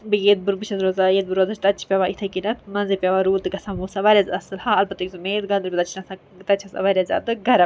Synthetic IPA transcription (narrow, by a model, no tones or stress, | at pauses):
bɨjed̪̚buɾbɨt͡ʃʰɐzɾoːzajed̪̚bɨɾoːzɐt͡ʃʰt̪ɐt͡ʃʰi̥pʲɐʋait̪ʰɐkinɐt̪mɐnzepʲaʋaɾuːt̪ɨɡɐsamusɐʋaːɾʲazɐsɨlhaːɐlpɐt̪ɐkʲzumeːd̪ɡɐ̃nd̪ɨɾpʲɐt̪ɐt͡ʃʰnɐsa | t̪ɐt͡ʃʰɐsɐ̰ʋaɾʲazʲa̰ːd̪ɨɡɐɾɐ